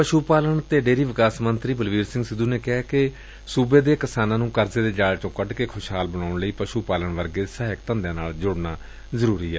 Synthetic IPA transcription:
pəʃuːpaːləɳt̪eːɖeːɾiːʋɪkaːsmənt̪ɾiːbəlʋiːɾsɪ̃ŋɡsɪd̪uːneːkɛːkɪ | suːbeːd̪eːkɪsaːnãːnũːkəɾzeːd̪eːd͡ʒaːlt͡ʃõːkəɖkeːkʰʊʃɦaːlbənaːʊɳləiːpəʃuːpaːləɳʋəɾɡeːsaːɦɪk̚t̪ə̃nd̪ãːnaːld͡ʒʊɽnaː | zəɾuːɾiːɛː

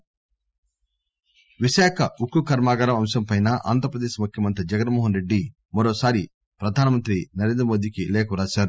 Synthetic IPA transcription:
ʋiʃaːkʰɐukːukɐɾmaːɡɐɾɐmɐmʃɐmpɐjnɐʔa̰ːnd̪ʱɐɾɐpɾɐd̪eːʃimukʰjɐmɐnt̪ɾid͡ʒɐɡɐnmoːɦɐnɾe̞ɖːi | mɐɾoːsaːɾi | pɾɐd̪ʱaːnɐmɐnt̪ɾinɐɾe̞ːnd̪ɾɐmoːd̪iːkilɛːkɐmɾaːʃaːɾu

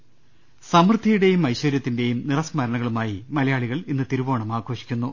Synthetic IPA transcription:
sɐmrɨd̪ʱɐjuɽe̞jumɐjɕwɐɾjɐt̪ːinde̞jumnirɐsmɐɾɐɳɐɣɐɭumaːjimɐlɐjaːɭiɣɐɭinːɨt̪iɾubo̞ːɳɐmaːɡʰʱo̞ːʂi̥kʲːunːu

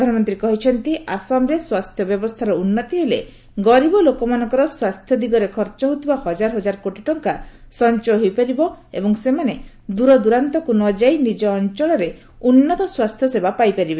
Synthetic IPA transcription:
pd̪ʱanɔmɔnt̪ɾikɔɦit͡ʃʰɔnt̪iasamɾeswast̪ʰjɔbjɔbɔst̪ʰaɾɔunːɔt̪iɦele | ɡɔɾibɔlokɔmanɔŋkɔɾɔswast̪ʰjɔd̪iɡɔɾekʰɔɾt͡ʃɔɦot̪ibahɔd͡ʒaɾɔɦɔd͡ʒaɾɔkoʈiʈɔŋkasɔnt͡ʃɔɦojpaɾibɔḛbɔŋsemane | d̪uɾɔd̪uɾant̪ɔkunɔd͡ʒajnid͡ʒɔːnt͡ʃɔɭɔɾe | unːɔt̪ɔswast̪ʰjɔsebapajpaɾibe

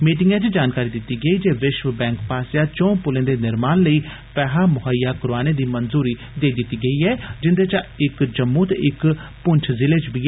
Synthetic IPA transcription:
miːʈɪŋɡãːt͡ʃd͡ʒaːnkaːɾiːd̪ɪt̪ːiːɡəiːd͡ʒeːʋɪʃʋbɛ̃ːŋkpaːsjaːt͡ʃõːpʊlẽːd̪eːnɪɾmaːnləiː | pɛːɦaːmʊɦəjːaːkɾaːneːd̪iːmənzuːɾiː | d̪eːid̪ɪt̪ːiːɡəiːɛːd͡ʒɪnd̪eːt͡ʃə̃ɪkd͡ʒəmːuːt̪ḛɪkpʊɲt͡ʃʰzɪleːd͡ʒbiː

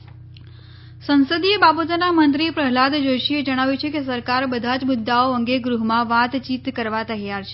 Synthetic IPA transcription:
sənsəd̪iebabot̪namənt̪ɾipɾəɦlad̪d͡ʒoʃied͡ʒəɽ̃aʋjut͡ʃʰekesəɾkaɾbəd̪ʱad͡ʒmʊd̪ːaoəŋɡeɡɾuɦmãʋat̪t͡ʃit̪kəɾʋat̪əɦjaɾt͡ʃʰe

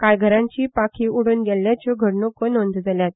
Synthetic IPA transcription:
kajɡʱəɾãɲt͡ɕiːpakʰiːuɽuːnɡɛlːjat͡ɕoɡʱəɾnokənond̪d͡zaljat̪̚

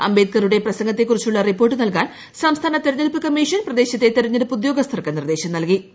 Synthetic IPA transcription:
ɐ̰mbe̞ːd̪̚kɐruɽe̞prɐsɐŋɡɐt̪ːe̞kːurit͡ɕːuɭːɐripːorʈːɨnɐlkaːɳ | sɐmst̪ʰaːnɐt̪eɾɐɲːɐlpɨkɐmːiʂɐnprɐd̪e̞ːɕɐt̪ːe̞t̪eɾɐɲːɐɾɨpud̪jo̞ːɡɐst̪ʰɐrkːɨnird̪e̞ːɕɐmnɐlki

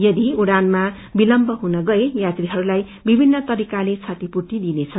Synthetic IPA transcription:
jʌd̪iuɽanma | bilʌmbʌɦunʌɡʌejat̪riɦʌɾulaj | bibʱinːʌt̪ʌɾikalet͡sʰat̪ipurt̪id̪inet͡sʰʌ

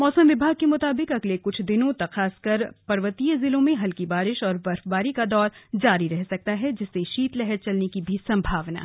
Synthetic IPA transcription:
mɔːsəmʋɪbʱaːɡ̚kemʊt̪aːbɪkɐɡlekʊt͡ʃʰd̪ɪnõt̪ɐxaːskɐɾpɐɾʋət̪ijzɪlõmẽɦɐlkibaːɾɪʃɔːɾbɐɾfbaːɾikad̪ɔːɾd͡ʒaːɾiɾɛɦsɐk̚t̪aɦɛd͡ʒɪsːeʃiːt̪lɛɦɛɾt͡ʃɐlnekibʱisɐ̃mbʱaːʋna̰ː

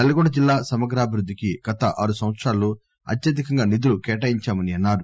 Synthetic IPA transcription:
ɐlːɐɡɔɳɖɐd͡ʒilːaːsɐmɐɡɾaːbʱiɾud̪ːikiɡ̥ɐt̪ɐʔa̰ːɾusɐ̃ʋɐt̪sɾaːlːoː | ɐ̰t̪jɐd̪ikɐŋɡaːnid̪ulukɛːʈɐiɲt͡ʃaːmɐniɐnːaːɾu

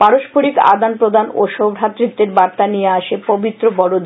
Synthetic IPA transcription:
paɾoʃpʰoɾika̰d̪anpɾod̪ʱanoʃobɾʱat̪ːɾit̪ːeɾbaɾt̪anijeaʃepobit̪ːɾobɔɽod̪

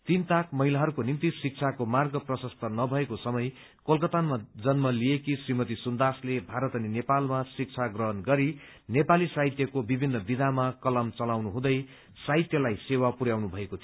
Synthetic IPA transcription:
t̪int̪akmʌɦilaɦʌɾukonint̪isik̚t͡sʰakomarɡʌprʌsʌst̪ʰʌnʌbʱʌekosʌmʌj | kʌlkʌt̪anmad͡zʌnmʌlijekisrimʌt̪isund̪aslebʱaɾʌt̪ʌninepalmasik̚t͡sʰaɡrʌɦʌnɡʌɾi | nepalisaɦit̪jʌkobibʱinːʌbid̪ʱamakʌlʌmt͡sʌlawnuɦũd̪ʌj | saɦit̪jʌlajsewapuɾjawnubʱʌekot̪ʰi

